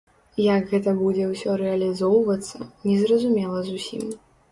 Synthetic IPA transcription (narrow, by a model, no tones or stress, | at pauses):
jɐɡɣɛt̪ɐbud͡zʲɛwsʲɔɾɛɐlʲizɔwvɐt̪sːɐ̰nʲɛzɾɐzumʲɛlˠɐzusʲḭm